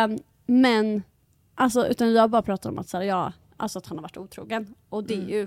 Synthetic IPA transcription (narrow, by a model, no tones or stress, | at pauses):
mɛn | ʔals̬ɔʔʉ̟̰ːt̪anjɑːhabɑːɾapʰɾɑːt̪at̪ɔ̰mʔat̪sæːɾjɑː | ʔa̰lsɔat̪hanhaɾvaʈːuːt̪ʰɾṵːɡənʔɔd̪ɛæjɵ